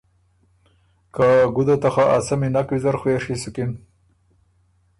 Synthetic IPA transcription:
kaaɡud̪at̪axaʔasaminakwizaɾxweɾʂisukin

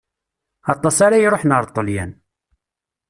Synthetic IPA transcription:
ɑt̪ˤːɑsaɾajɾoħnəɾˤt̪ˤːəljæ̰n

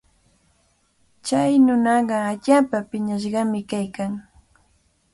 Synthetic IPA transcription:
t͡ʃajnʊnɑɢɑaʎaːpapɪɲaʃɢɑmɪkajkaŋ

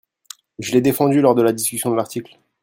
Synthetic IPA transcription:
ʒəlɛd̪efɑ̃d̪ylɔʁd̪əlad̪iskʲysjɔ̃d̪əlaʁt̪ikl

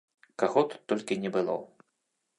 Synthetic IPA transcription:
kaɣɔt̪u̥t̪ːɔlʲkʲinʲɛbɨlˠɔ̰

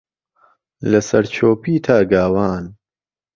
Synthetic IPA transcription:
lɐsɐɾt͡ʃʰoːpiːt̪ʰaːɡaːwaːn

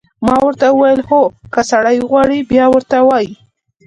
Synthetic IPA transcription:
mɑwəɾt̪aəwajəlxokəsaɽajɣwɑɽibjɑwəɾt̪awɑji

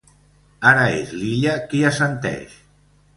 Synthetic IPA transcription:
aɾaḛzliʎakiasənt̪ɛ̰ʃ

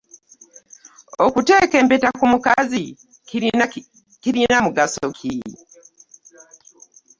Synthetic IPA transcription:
okute̞ːke̞ːmpetakumukazi | ina | kiɾinamuɡasokʰi

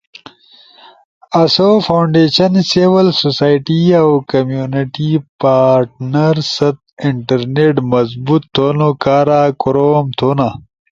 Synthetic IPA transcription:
ɐsofʰawɳɖeːɕɐnsewɐlsosaːjʈiawkɐmjuniʈipaːɾʈ̚nɐɾsɐt̪̚ɪɳʈɐɾneʈmɐzbut̪ʰːoːnokaːɾaːkʊɾomt̪ʰona

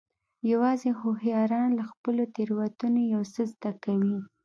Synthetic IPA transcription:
jawɑzehohjɑɾɑnlaxpəlot̪eɾwat̪unojawsəzd̪akawi

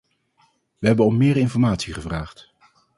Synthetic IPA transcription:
ʋəɦɛbənɔmːɪːɾɪnfɔɹmaːtsiχəvraːχt

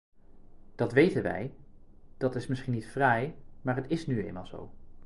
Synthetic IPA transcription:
d̥ɑtʋejtənʋɛ̰jd̥ɑtɪsmɪsχinːitfrɛjmaːɹɦətɪsnyḛjnma̰lˠzo̰w

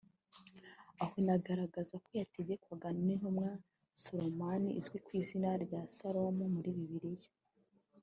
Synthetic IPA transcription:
ahonaɡaɾaɡazakojateɟekwaɡanonin̥humŋa | soɾomaniʔizwikwiːzinaɾɟasaɾomumuɾiβiβiɾijḁ

